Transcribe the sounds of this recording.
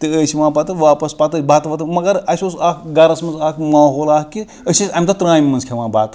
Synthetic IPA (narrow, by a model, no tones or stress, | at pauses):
t̪ɨəsʲiʋaːbat̪ɨʋaːpɐspat̪ɨbaːt̪ʋɐt̪ɨmɐɡɐɾɐsʲosaːkɡɐɾɐsmɐnzaːkʰmaːɦoːlaːkki | əsʲisʲamʲit̪ɐt̪ɾaːjmʲːɐnzkʲʰeʋãːbaːt̪